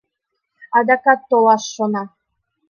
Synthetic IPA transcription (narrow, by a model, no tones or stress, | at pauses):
ɑd̪ɑkɑt̪ːolˠɑʃːonɑ